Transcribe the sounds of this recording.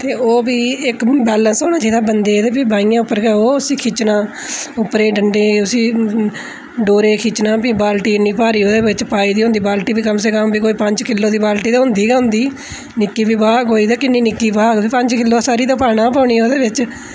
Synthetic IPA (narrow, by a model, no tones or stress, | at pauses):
t̪eːoːbiːɪkbɛːlənsoːñaːd͡ʒaiːd̪aːbənd̪eːd̪eːbiːbaːiːãːʊpːəɾɡɛːoːʊsiːkʰit͡ʃnãː | ʊpːɾeːɖəɳɖeːʊsĩː | ɖoːɾeːkʰit͡ʃnãːpiːbaːlʈiːɪnːĩːpaːɾiːoːd̪eːʋɪt͡ʃpaːiːd̪iːɦʊ̃nd̪iːbaːlʈiːbiːkəmseːkəmbiːkoːiːpəɲd͡ʒkɪlːoːd̪iːbaːlʈiːd̪aːɦʊ̃nd̪iːɡaːɦʊ̃nd̪iː | nɪkːiːbiːbaːkoːiːd̪aːkɪniːnɪkːiːbaːɡiːpə̃ɲd͡ʒkɪlːoːsaːɾiːd̪aːpaːɽãːpaːɳ̃iːoːd̪eːʋɪt͡ʃ